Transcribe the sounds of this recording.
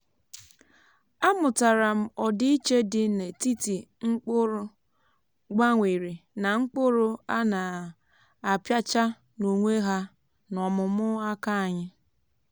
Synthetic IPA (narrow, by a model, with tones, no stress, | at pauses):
a˦mʊ˨ta˨ɾa˨m̩˨ɔ˨dɪ˦i˦t͡ʃe˦dɪ˦ne˨ti˦ti˨ŋ͡m̩˦k͡pʊ˦ɾʊ˦ | ɡ͡ba˦ŋʷe˨ɾi˨na˨ŋ͡m̩˦k͡pʊ˦ɾʊ˦a˦na˨ | a˨pja˦t͡ʃa˦ | nu˨ŋʷe˦ɦa˦ | nɔ˨mʊ˨mʊ˦a˦ka˦a˨ɲɪ˦